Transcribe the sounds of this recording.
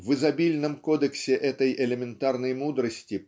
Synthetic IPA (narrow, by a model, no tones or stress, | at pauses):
vɨzɐbʲilʲnəmkod̪əksʲɪʔɛt̪əjʔɛlʲɪmʲɪnt̪arnəjmud̪ɾəsʲtʲɪ